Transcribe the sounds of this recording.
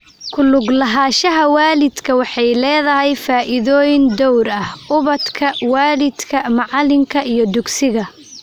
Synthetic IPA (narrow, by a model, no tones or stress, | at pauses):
kʰʊlʊɡlɐɦaːʃɐɦɐwaːlɪd̪kʰɐwɑħɑjlɛːðɐɦɛjfaːʔɪðɔːjɪnd̪ɔwɾɐhʊβɐd̪kʰɐwaːlɪd̪kʰɐmɑʕɑlɪŋkʰɐʔijɞd̪ʊɡsɪɣɐ